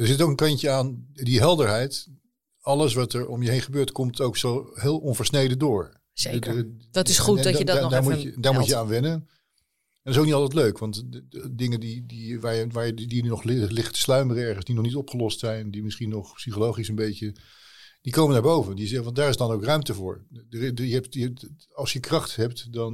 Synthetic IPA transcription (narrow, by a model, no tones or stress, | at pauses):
dəɹzɪtowkənkɑɲcəaːndiɦɛlˠdəɹɦɛjt | ɑlˠəs̬ʋɑtɛɹɔmjəɦejnχəbøːɹtkɔmtowksowɦɪːlˠɔnvəɹsnejdədʊːɹ | ddtɪsuddaːɹudaːɹmuəaːnʋɛnən | ɛntɪsowknitɑlˠtɛt̬løɥkʋɑntdɪŋədidiʋaːɹjʋaːɹjdinnɔχlɪlɪχtə̥slœɥmərəɛɹχənzdinɔχnitɔpχəlɔstsɛjndimɪsχinɔχpsiχolowχisənbejcə | d̥ikowmənaːɹbowvəndizɛʋɑntdaːɹɪzdɑnowkrœɥmtəvʊ̰ːɹdəjəɛpt | ɑlˠsjəkrɑχtɦɛp̚tdɑn